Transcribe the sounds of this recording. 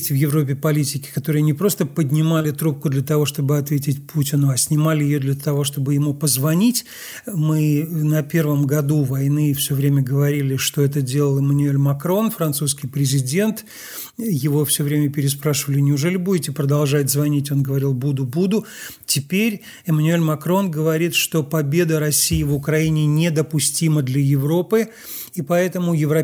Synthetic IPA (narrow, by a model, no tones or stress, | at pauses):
tʲɪvjɪvɾo̞p̬ʲɪpɐlʲitʲɪkʲɪ̥kɐt̪o̞ɾɨjənʲɪpɾo̞st̪əpədʲnʲɪmalʲɪt̪ɾup̚kʊd̪lʲət̪ɐvo̞ʂt̪o̞bɨɐt̪vʲetʲɪtʲpʰutʲɪnʊɐsʲnʲɪmalʲɪjɪjod̪lʲət̪ɐvo̞ʂt̪o̞bɨjɪmupəzvɐnʲitʲ | mɨnɐpʲe̞rvəmɡɐd̪uvɐjnɨfsʲovɾʲemʲəɡəvɐɾʲilʲɪʂt̪o̞ɛt̪̬ədʲe̞lˠəlˠɨmənʊelʲmɐkɾo̞nfɾɐnt̪suskʲɪjpɾʲɪzʲɪdʲe̞nt̪ | jɪvo̞fsʲɵvɾʲemʲəpʲɪɾʲɪspɾaʂɨvəlʲɪnʲɪʊʐɛlʲɪbudʲɪtʲɪpɾəd̪ɐlˠʐatʲzvɐnʲitʲo̞nɡəvɐɾʲilˠbud̪ʊbud̪ʊtʲɪpʲeɾʲ | ɪmənʊelʲmɐkɾo̞nɡəvɐɾʲit̪ʂt̪o̞pɐbʲed̪əɾɐsʲːijɪvʊkɾɐinʲɪnʲed̪əpʊsʲtʲiməd̪lʲɐjɪvɾo̞pɨ | ipɐɛt̪əmʊjɪvɾɐ